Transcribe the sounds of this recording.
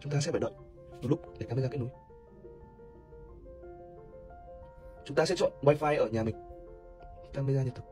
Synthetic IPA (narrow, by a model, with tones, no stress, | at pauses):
t͡ɕʊ˨˦ŋ͡mt̪aː˧sɛ̰˧˥faː˧˩ɗə̰˧˨n | vlʊ˦˥k͡p̚e˧˩kaː˧mə˧zaː˧˦˥k̚n˨˦j | t͡ɕʊ˨˦ŋ͡mt̪aː˧sɛ̰˧˥t͡ɕɔ̰˧˨nwaː˧jfaː˧jʔəː˧˩ɲaː˨˩mï˨˩ŋ̟ | k̪aː˧mə˧jzaː˧ɲə˨t̪ʰɨ˨˩